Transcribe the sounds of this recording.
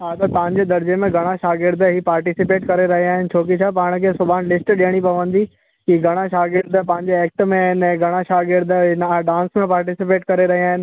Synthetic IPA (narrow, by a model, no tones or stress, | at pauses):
ɦaːt̪ɐt̪ɐ̃ɪ̃ɲd͡ʑeːd̪ɐɾd͡ʑemẽɡʱɐɽ̃aʃaːɡɪɾd̪ɦipaːɾʈisɪpeːʈkɐɾeɾɐɦiaːɦɪnɪ̆t͡ɕʰoːk̬it͡ɕʰaːpaːɽ̃̆kʰeːsʊbʱaːñlɪsʈɗijəɽ̃ipɐʋə̃nd̪i | kiɡʱɐɽ̃aʃaːɡɪɾd̪pɐ̃ɦɪ̃ɲd͡ʑeɛːk̚ʈmẽɪnɛ̃ɡʱɐɽ̃aʃaːɡɪɾd̪ɪnaɖãːnsmẽpaːɾʈɪsɪpeːʈkɐɾeɾɐɦiaːɦɪnɪ̆